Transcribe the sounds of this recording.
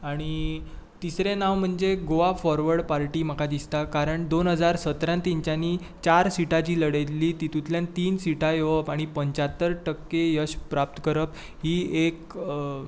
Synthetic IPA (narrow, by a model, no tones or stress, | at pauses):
aɽ̃it̪isɾenaʋm̤əɳd͡ʑeɡoʋafɔɾʋəɾɽpaɾʈiːm̤əkad̪ist̪akaɾəɳd̪onɦəd͡zaɾsət̪ɾãnt̪iɲt͡ɕaniː | t͡ɕaɾsiʈat͡ɕiːləɽet̪liːt̪it̪ut̪ljant̪iːnsiʈajeʋəpaɽ̃ipəɲt͡ɕat̪ːəɾʈəkːejəɕpɾap̚t̪əkəɾəp | ɦiːek